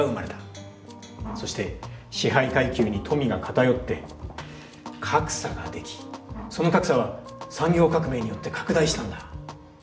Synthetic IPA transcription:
aɯmaɾe̞t̪ḁ | so̞ɕi̥t̪e̞ɕiɦaikaikʲɨːɲ̟it̪ʰo̞mʲiɡakʰat̪ajo̞t̪ːe̞ | kʰakɯ̥saɡad̪e̞kʲi̥so̞no̞kakɯ̟̥saβasãŋɡʲo̞ːkakɯ̟me̞ːɲ̟ijo̞t̪ːe̞kʰḁkɯ̟d̪aiɕi̥t̪ãnd̪a

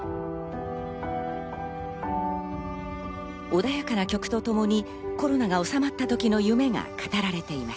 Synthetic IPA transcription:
o̞d̪ajakanakʲo̞kɯ̟̥t̪o̞t̪o̞mo̞ɲ̟i | ko̞ɾo̞naɡao̞samat̪ːat̪o̞kʲino̞jɯ̟me̞ŋa̰kḁt̪aɾaɾe̞t̪e̞imas

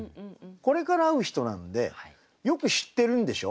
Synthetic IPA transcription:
ko̞ɾe̞kaɾaːɯ̟çi̥t̪o̞nãnod̪e̞̰ | jo̞kɯ̟ɕi̥t̪ːe̞ɾɯ̟̃nd̪e̞ɕo̞̰

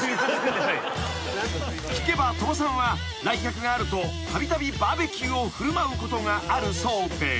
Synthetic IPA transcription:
kʲi̥ke̞bat̪o̞bos̬ãɰ̃βa | ɾaikʲakɯ̟ɡaːɾɯ̟t̪o̞t̪abʲit̪abʲibaːbe̞kʲɨːoɸɯ̟ɾɯ̟maɯ̟ko̞t̪o̞ŋaaɾɯ̟so̞ːd̪e

